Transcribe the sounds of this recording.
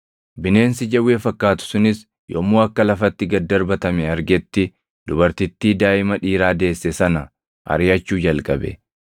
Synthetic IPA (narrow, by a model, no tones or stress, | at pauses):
bɪne̞ːnsɪd͡ʒɐwːe̞ːfɐkːaːt̪ʊ̥sʊnɪs | joːmːoːɐkːɐlɐfɐt̪ːɪɡɐd̪ːɐɾbɐt̪ɐmeɐɾɡɛt̪ːɪ | d̪̥ʊbɐɾt̪ɪt̪ːiːd̪aːʔɪmɐᶑiːɾaːd̪e̞ːsːɛsɐnɐ | ʔɐ̰ɾɪjɐt͡ʃːuːd͡ʒɐlkʼɐ̰bɛ̰